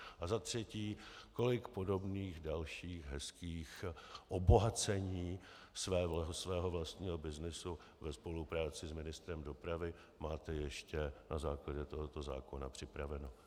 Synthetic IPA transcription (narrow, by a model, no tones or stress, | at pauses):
ʔazat̪r̝̥ɛciːko̞lɪkpo̞do̞bniːxdalʃiːxɦɛskiːxʔobo̞ɦat͡sɛɲiː | svɛːsvɛːɦo̞vlast̪ɲiːɦo̞bɪznɪsu | vɛspo̞lupɾaːt͡sɪsmɪnɪst̪ɾɛmdo̞pɾavɪ | maːt̪ɛjɛʃcɛnazaːklaɟɛt̪o̞ɦo̞t̪o̞za̰ːko̞napr̝̥ɪpɾavɛno̞